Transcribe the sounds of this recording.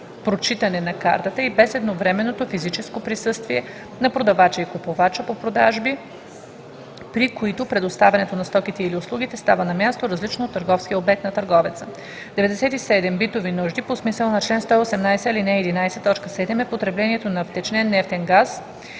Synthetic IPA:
pɾot͡ʃit̪ənɛnɐka̰ɾt̪ət̪əibɛsɛd̪novɾɛmɛnːot̪ofizit͡ʃɛskopɾisɤst̪viɛ | nɐpɾod̪ɐvat͡ʃɛikopovat͡ʃəpopɾod̪aʒbi | pɾikoit̪opɾɛd̪ost̪avʲɛnɛt̪onɐst̪ɔk̟it̪ɛilioslˠuɡ̟it̪ɛst̪avənɐmʲjast̪oɾɐzlit͡ʃnoot̪ːəɾɡɔfskijəobɛk̚t̪nɐt̪ɐɾɡɔvɛt̪sə | d̪ɛvɛd̪ɛsɛt̪isɛd̪ɛmbit̪ovinuʒd̪iposmisəlˠnɐt͡ʃlɛnst̪ɔiosɛmnajsɛlinɛɛd̪inajsɛt̪ɔt͡ʃkəsɛd̪ɛmɛpot̪ɾɛblɛniɛt̪onɐft̪ɛt͡ʃnɛnːɛft̪ɛŋɡas

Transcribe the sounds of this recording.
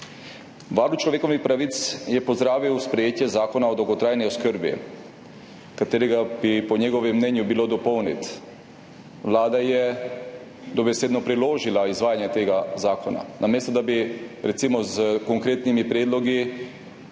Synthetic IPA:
ʋaɾlut͡ʃlɔʋeːkɔwnixpɾaʋit̪sjɛpɔzd̪ɾaːʋiwspɾɛjeːt̪jɛzaːkɔnaɔd̪ɔwɡɔt̪ɾaːjniɔskəɾbḭ | kat̪eːɾɛɡabipɔɲɛɡɔʋɛmːnɛnjubiloːd̪ɔpɔwnḭt̪ | ʋlaːd̪ajɛ | d̪ɔbɛseːd̪nɔpɾiloːʒilaizʋaːjanjɛt̪eːɡazaːkɔna̰nʔameːst̪ɔd̪abiɾɛtsimɔzkɔŋkɾeːt̪nimipɾeːd̪lɔɡi

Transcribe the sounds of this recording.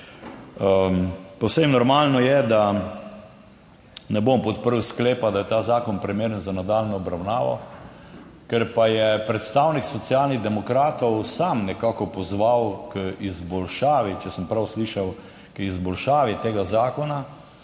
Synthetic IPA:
pɔwsemnɔɾmaːlnɔjɛd̪a | nɛbompɔt̪̚pəɾəwskleːpad̪ajɛt̪aːzaːkɔnpɾimeːɾənzanad̪aːlnɔːbɾawnaːʋɔ̰ | kɛɾpajɛpɾɛt̪st̪aːwniksɔt̪sialniɣd̪ɛmɔkɾaːt̪ɔwsamnɛkakɔpɔzʋawkəizbɔlʃaːʋit͡ʃɛsəmpɾawsliʃaw | kizbɔlʃaːʋit̪eːɡazaːkɔna

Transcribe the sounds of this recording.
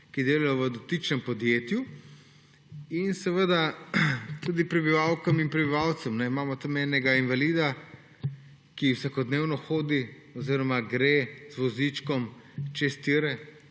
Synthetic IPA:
kid̪eːlajɔʋəd̪ɔt̪it͡ʃnɛmpɔd̪jeːt̪ju | insɛʋəd̪a | t̪ud̪ipɾɛbiʋawkɐminpɾɛbiʋawt̪sɛmnɛimaːmɔt̪əmɛnɛɡainʋaliːd̪a | kiwsakɔd̪neːwnɔxoːd̪i | ɔziːɾɔmaɡɾezʋɔzit͡ʃkɔmt͡ʃɛst̪iɾɛ

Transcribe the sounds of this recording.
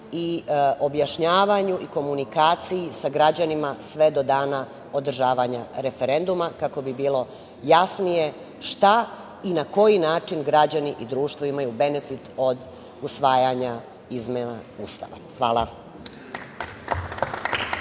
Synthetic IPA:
io̞bjaʃɲaːʋaɲuʔiko̞munikaːt̪sijisaɡɾad͡ʑanimasʋe̞d̪o̞d̪aːna | o̞d̪r̩ʒaːʋaɲaɾe̞feɾend̪umakako̞bibiːlˠo̞ | jasnije̞ | ʃt̪a | inako̞jinaːt͡ʃinɡɾad͡ʑaniʔid̪ɾuːʃt̪ʋoimajube̞ne̞fit̪o̞d̪ | usʋaːjaɲa | izmena̰ust̪a̰ʋa̰xʋaːlˠa

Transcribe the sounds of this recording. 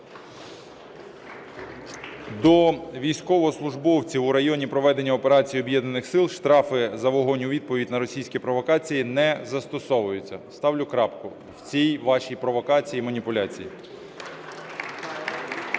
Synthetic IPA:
d̪ɔʋʲijsʲkɔʋɔɦɔslˠʊʒbɔwt͡sʲiwʊɾɐjɔnʲipɾɔʋɛd̪e̞nʲːɐɔpeɾɑt͡sʲijiɔbjɛd̪nɐnɪxsɪlˠʃt̪ɾɑfɪzɐʋɔɦɔnʲʊʋʲid̪̚pɔʋʲidʲnɐɾɔsʲijsʲkʲipɾɔʋɔkɑt͡sʲijinɛzɐst̪ɔsɔʋʊjʊt͡sʲːɐst̪ɑwlʲʊkɾɑpkʊ | wt͡sʲijʋɑʃʲijpɾɔʋɔkɑt͡sʲijimɐnʲipʊlʲat͡sʲijḭ

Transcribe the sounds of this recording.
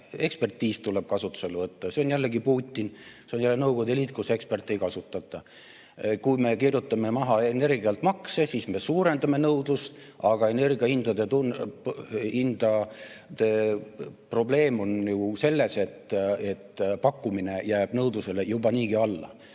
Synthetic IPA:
e̞kspe̞rt̪ːiːst̪ule̞b̥̚kɑsut̪ːˑu̥se̞levɤt̪ːɑse̞onjælːeɡipuːt̪ʲːinseo̞njælːenɤwɡ̥o̞d̪elʲit̪kuse̞kspe̞rt̪ːˑejkɑsut̪ːˑɑt̪ːˑɑ | kujme̞kirjut̪ːˑɑme̞mɑɦɑe̞ne̞rɡiɑlt̪mɑksesiːsme̞suːɾe̞nd̪̥ɑme̞nɤwd̪̥ust̪ | ɑɡ̥ɑe̞ne̞rɡiɑhind̪̥ɑd̪et̪unpind̪̥ɑ | t̪e̞ | pro̞ble̞ːmo̞njuse̞lːe̞se̞t̪ːe̞t̪ːpɑkːumine̞jæːb̥nɤwd̪use̞le̞jubɑniːɡiɑlːɑ̰

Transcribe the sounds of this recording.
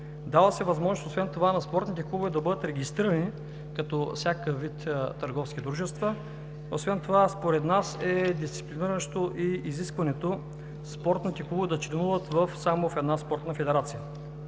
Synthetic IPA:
d̪avˠəsɛvɐzmɔʒnososvɛnt̪ovanɐspɔɾt̪nit̪ɛkuɡovɛd̪ɐbɤd̪ət̪ɾɛɡʲist̪ɾiɾəni | kɐt̪ɔfsʲjakəvit̪t̪ɐɾɡɔfskʲid̪ɾuʒɛst̪və | osvɛnt̪ovaspoɾɛt̪nasɛd̪ist̪si̥pliniɾənʃt̪oʔiiziskvɐnɛt̪o | spɔɾt̪nit̪ɛkuɡvɛd̪ɐt͡ʃlɛnuvət̪vɐfsamofɛd̪naspɔɾt̪nəfɛd̪ɛɾat̪sijə

